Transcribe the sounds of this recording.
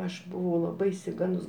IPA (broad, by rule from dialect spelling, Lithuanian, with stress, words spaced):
ˈɐʃ bʊˈʋɐʊ lˠɐˈbɐɪ ɪʃʲsʲɪˈɡɐndʊs